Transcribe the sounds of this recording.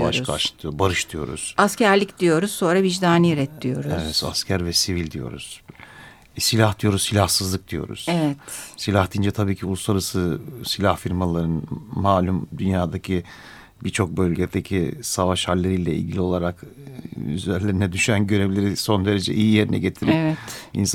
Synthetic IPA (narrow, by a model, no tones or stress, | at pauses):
va̰ʃka̰ʃt̪ʰɯjobaɾɯʃt̪ʰɯjo̞̰ɾṵz̥ascæɾlʲicd̪ijo̞ɾuz̥so̞ːɾavid͡ʒd̪aːniɾɛt̪ʰlʲijo̞ɾɛzvɛt̪a̰scʰæɾvɛsivilʲd̪ijo̞̰ɾṵz̥ | silʲahd̪ijo̞ɾuzsilʲahsɯzlˠɯk̚d̪̥ijo̞̰ɾṵz̥ɛvɛt̪silʲaht̪ind͡ʒɛt̪ʰabiːcʰiulˠuslˠaɾasɯsilʲahfiɾmalˠaɾɯnmaːlʲumd̪ynjaːd̪acʰi | biɾt͡ʃʰo̞k̚bølʲɟed̪ecʰisavaʃhalʲːeɾilʲɛḭlʲɟilʲio̞lˠaɾak | y̰zeɾlʲeɾinɛd̪yʃynænɟø̞ɾevlʲe̞ɾiso̞nd̪e̞ɾe̞d͡ʒɛʔijije̞ɾinɛ̰ɟet̪ʰiɾivɛtḭns